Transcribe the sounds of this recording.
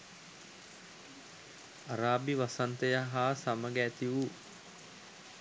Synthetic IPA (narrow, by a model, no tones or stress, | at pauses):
aɾaːbiʋasant̪əjaɦaːsaməɡæːt̪iʋu